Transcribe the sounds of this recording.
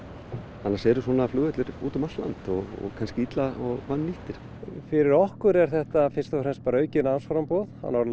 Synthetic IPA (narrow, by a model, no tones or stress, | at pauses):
hanːasɛɾʏswɔːnaːflʏːɣɛt̪lɪɾuːt̪ʏmalt̪la̰nt̪ɔɣɔ̰kʰanscɪit̪laɔɣvanːiht̪ɪɾ̥ | fɪɾɪɾɔhkʏɾɛɾ̥θɛht̪afɪ̥st̪afɾɛnspaːɾœːɥcɪnaansfaɾampɔːðha̰nːaɾ